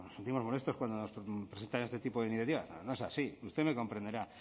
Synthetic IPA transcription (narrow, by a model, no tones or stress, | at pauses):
nose̞nt̪imo̞zmo̞le̞st̪o̞skwand̪ono̞spɾese̞nt̪anest̪e̞t̪ipoðeiniθjat̪iβa̰snono̞e̞sasiust̪emeko̞mpɾend̪eɾa